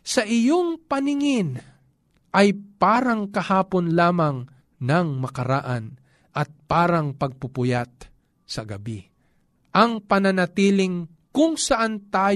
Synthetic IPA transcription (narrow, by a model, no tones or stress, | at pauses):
sɐʔɪjoŋpɐnɪŋɪn | ʔɐjpaːɾɐŋkɐhaːponlaːmɐŋ | nɐŋmɐkɐɾa̰ʔan | ʔɐt̪̚paːɾɐŋpɐɡ̚pʊpʊjat̪̚ | sɐɡɐbi | ʔɐŋpɐnɐnɐt̪iːlɪŋ | kʊŋsɐʔant̪aː